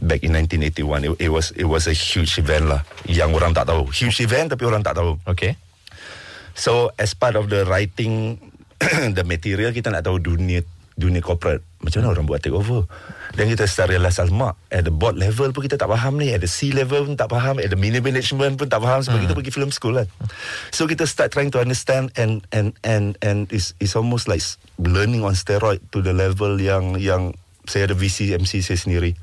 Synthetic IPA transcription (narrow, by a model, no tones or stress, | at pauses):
bɛkĩnãj̃ntĩnetiwãniit̚wɔsḭt̚wɔsəhjut͡ʃivɛ̃nʔlahjãŋoɾãŋt̪a̰ʔt̪aɦohjut͡ʃivɛ̃nt̪apioɾãŋt̪a̰ʔt̪aooke | soɛspatɔfdəɹajtɪ̃ŋ | dəmət̪iɾiəlk̬it̪ənaʔt̪aodunə | duniəkɔpɾət̚mat͡ʃamanəoɾãŋbuaʔ̚t̪ːekovədɛ̃nkit̪əst̪aʔɾilasalmaʔ̚ɛt̚dəbɔt̚lɛvəlp̬ũnkit̪ət̪aʔpaɦãmniɛt̚dəsilɛvəlpunt̪aʔpaɦãmɛt̚dəminimɛnit͡ʃmə̃npũnt̪aʔpaɦãmsobakit̪̬əpək̬ifilmskulãnsokit̪əstat̚ːɹajĩŋtuãndəstɛ̃ndɛ̃nɛ̃nɛ̃nɛ̃nitsitsɔlmostlaɪks | lənĩŋɔ̃nstɛɹɔɪttːudəlɛvəljãŋjãŋ | seədəvisiɛ̃msisisniɾi